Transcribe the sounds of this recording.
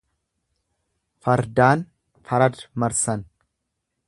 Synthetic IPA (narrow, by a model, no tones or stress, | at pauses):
fɐɾd̪aːn | fɐɾɐd̪mɐɾsɐn